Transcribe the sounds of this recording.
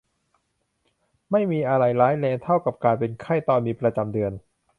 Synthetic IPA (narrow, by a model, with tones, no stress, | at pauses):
ma˥˩jmiː˧ʔa˧ɾa˧jlaː˦˥jlɛː˧ŋt̪ʰa˥˩wka˨˩p̚kaː˧npe˧nkʰa˥˩jt̪ɔː˧nmiː˧pɾa˧t͡ɕa˧mdɯ˧ən